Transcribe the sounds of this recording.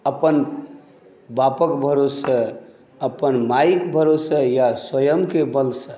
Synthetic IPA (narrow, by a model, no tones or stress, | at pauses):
əpən | bapəkbʱəɾosə | əpənmaikbʱəɾosəjaswəjəmkebəlsə